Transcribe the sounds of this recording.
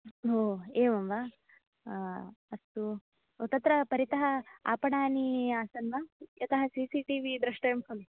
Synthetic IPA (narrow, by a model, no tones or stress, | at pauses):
ɦoːeːʋɐmʋaː | ɐst̪u | ot̪ɐt̪ɾɐpɐɾit̪ɐɦɐa̰ːpɐɳaːniaːsɐnʋajɐt̪ɐɦɐsiːsiːʈiːʋid̪ɾɐʂʈɐjɐmpʰoli